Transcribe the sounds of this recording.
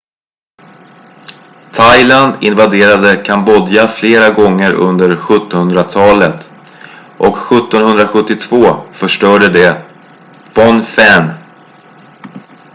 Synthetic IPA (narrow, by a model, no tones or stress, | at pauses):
t̪ʰajland̪ɪnvad̪eːɾad̪əkʰambɔd̪jafleːɾaɡɔŋːəɾɵ̰nd̪əɾɧɵt̪ːɔnhɵnd̪ɾat̪ʰɑːlət̪ | ʔɔkɧɵt̪ːɔnhɵnd̪ɾaɧɵt̪ːɪt̪ʰv̥oːfœʂʈœːɖəd̪ɛ | fɔnfɛn